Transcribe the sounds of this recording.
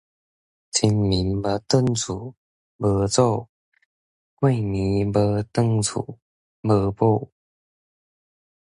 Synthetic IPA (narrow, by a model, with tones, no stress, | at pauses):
t͡sʰi˧nmi˨˦nbə˧t̪ə˥˧nt͡sʰu˨˩˦ | bə˧t͡so˥˧ | kwe˥˩jmi˨˦bə˧t̪ə˥˧ŋt͡sʰṵ˨˩˦ | bə˧po˥˧